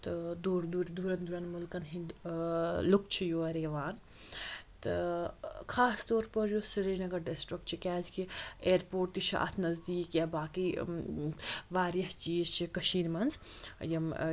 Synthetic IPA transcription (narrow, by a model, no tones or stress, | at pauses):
t̪ɨd̪uɾd̪uɾd̪uɾɐnd̪uɾɐnmulkɐnɦi | luk̚t͡ʃʰijoːɐɾeːʋaːn | t̪ɨ | kʰaːst̪ɔːɾpɐɾjosiɾiːnɐɡɐɾɖesʈɾikt͡ʃʰikʲaːzkieːɾpoːʈt̪iʃʰa̰ːt̪ʰnɐzd̪iːkjabaːki | ʋaːɾjɐɦt͡ʃiːzt͡ʃʰikɐʃiːnmɐnzjɐm